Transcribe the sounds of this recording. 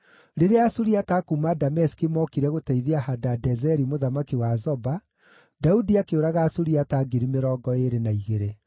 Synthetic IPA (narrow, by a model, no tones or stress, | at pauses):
ɾeɾeasuɾiatakumadamɛskimɔkiɾɛɣotɛiðeahadadɛzɛɾimoðamakiwazɔba | daudiakeoɾaɣaːsuɾiataɡiɾimeɾɔːɡɔeɾenaiɣeɾe